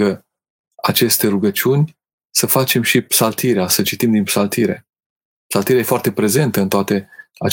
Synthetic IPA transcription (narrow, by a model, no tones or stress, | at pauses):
ə | at͡ʃe̞st̪e̞ɾuɡət͡ʃunʲ | səfat͡ʃe̞mʃipsalt̪iɾeasət͡ʃit̪imd̪inpsalt̪iɾe̞̰ | psalt̪iɾejefoart̪e̞pɾe̞ze̞nt̪əɨnt̪oat̪e̞a